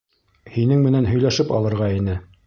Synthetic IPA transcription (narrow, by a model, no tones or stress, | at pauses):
hinɘŋmɘ̆nænɦɵ̆jlæʃɘpɑ̰lˠɤ̆ɾʁɑinɘ